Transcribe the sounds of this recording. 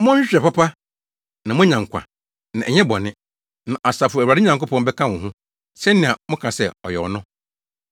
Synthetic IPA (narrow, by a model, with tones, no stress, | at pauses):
mʊ̃˦ɕᶣɾɛ˨pa˦pʰa˦ | nã˨mʊ̃˦ɲã˨ŋ˨kʷʰa̰˨ | nã˨ʔɛ˨ɲɛ̃˦bɔ˨nɪ̃˦ | nã˨ʔa˨sa˨fʊ˨ɛ˨a˨dɪ˦ɲã˨ŋko˦pʰɔ̃˦n˦bɛ˦kʰã˦wʊ̃˨ɦʊ̃˦ | sɛ˦nːɪ̃˨a˨mʊ̃˦kʰã˨sɛ˦ɔ˨jɛ˨ɔ˨nʊ̃˦